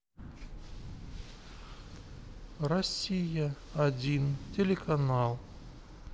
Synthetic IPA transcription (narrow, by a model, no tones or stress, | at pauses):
rɐsʲijɐ | ɐd͡zʲintʲelʲekanalˠ